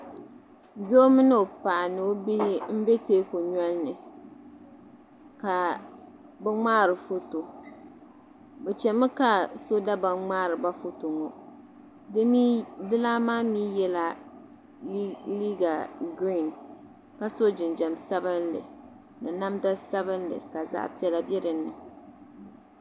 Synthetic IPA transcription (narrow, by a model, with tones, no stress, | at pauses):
do˦mɨ˦nɨ˦o˨pa˨nɨ˨o˦bi˦hɪ˦m̩˦bɛ˦teː˦ko˨ɲɔ˦lnɨ˨ | ka˨ | bɛ˦ŋ͡maː˦ɾɨ˨fo˦to˨ | bɛ˨t͡ʃɛ˨mɨ˦ka˨so˦da˦ba˨ŋ͡maː˦ɾɨ˨ba˦fo˦to˨ŋo˨ | di˦dɨ˦laː˦maː˦miː˦jɛ˦la˦ | liː˦ɡa˨ɡɾi˦˨n | ka˨so˦d͡ʒɪ˨nd͡ʒɛ˨m˨sa˦bɨ˦ndɨ̰˨ | nɨ˨na˦mda˦sa˦βɨ˦ndɨ̰˨ka˨za̰ː˦pi˦ɛ˨la˦bɛ˦ɾɨ˨nɨ˨